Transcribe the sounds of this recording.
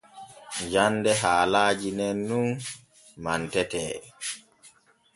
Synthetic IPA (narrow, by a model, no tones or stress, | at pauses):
d͡ʒanːdɛɦaːlaːd͡ʒinɛnːun | mantɛtɛː